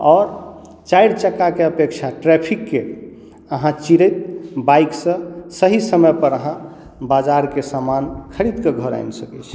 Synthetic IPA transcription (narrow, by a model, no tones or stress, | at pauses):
ɔːɾ | t͡ʃajɽt͡ʃəkːakeəpekt͡ʃʰaʈɾɛpʰikːe | əɦãt͡ʃiɾəjt̪̚baiksə̃səɦisəməjpəɾəɦã | bad͡ʒaɾkesamankʰəɾid̪keɡʱəɾa̰jnsəkɛt͡ʃʰ